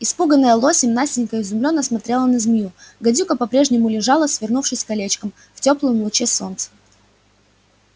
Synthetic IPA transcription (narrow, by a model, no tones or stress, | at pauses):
ɪspuɡənːəjəlˠo̞sʲɪmnasʲtʲɪnʲkəɪzʊmlʲonːəsmɐt̪ɾʲe̞lˠənɐzʲmʲjuɡɐdʲukəpɐpɾʲe̞ʐnʲɪmʊlʲɪʐɑlˠəsvʲɪrnufʂɨsʲkɐlʲet͡ɕkəm | ftʲoplˠəjmlˠʊt͡ɕeso̞nt̪sə̥